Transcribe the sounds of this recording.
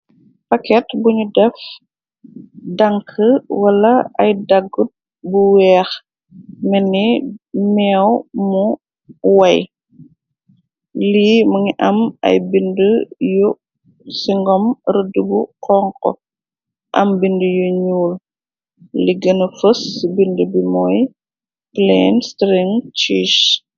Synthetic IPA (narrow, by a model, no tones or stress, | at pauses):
pɐkɛtbuɲudɛf | dɐŋkʰəwɐlɐɐjdaɡut̚ | buwɛːx | mɛnːimɛːwmu | wɐj | liːmɐŋiʔɐmɐ̰jbindəju | siŋɡɔmɾədəbuqɔŋkɔ̰ | ʔɐ̰mbindəjuɲuːl | liɡənəfəsbindəbimɔj | plɛnstɾiŋt͡ʃiːʃ